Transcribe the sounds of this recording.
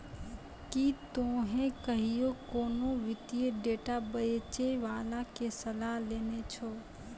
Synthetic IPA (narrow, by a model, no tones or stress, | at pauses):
kit̪oɦẽkəɦijokoːnoʋɪt̪ijeɖeːʈabəet͡ʃeʋaːlakesəlaɦleːnet͡ʃʰo